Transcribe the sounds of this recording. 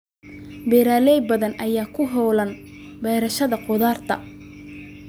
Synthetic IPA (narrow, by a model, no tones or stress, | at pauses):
bɛːɾaːlɛjbɐðɐnʔɐjaːkʰʊɦɔːlɐn | bɛjɾɐʃɐðɐqʊðaːrt̪ʰɐ̰